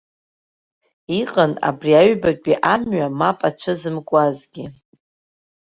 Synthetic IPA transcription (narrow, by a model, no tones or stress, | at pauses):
iqʼəna̰briaɥbakʲʼiʔamɥamapʼat͡ʃʷʰɨzɨmkʷʼazɡʲi